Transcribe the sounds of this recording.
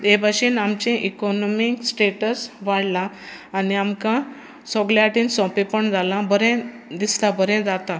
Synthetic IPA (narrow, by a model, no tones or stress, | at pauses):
d̪ebʱaɕiːnamt͡ɕẽʔikɔnɔmiksʈeʈəsʋaɽlãː | niamka | sɔɡljaʈiːnsɔ̃pepəɳd͡zʱalãbəɾɛ̃ | d̪islabʱəɾɛ̃d͡zat̪a